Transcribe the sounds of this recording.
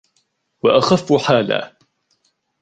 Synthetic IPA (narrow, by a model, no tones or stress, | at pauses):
waʔaxafːħaːla̰ː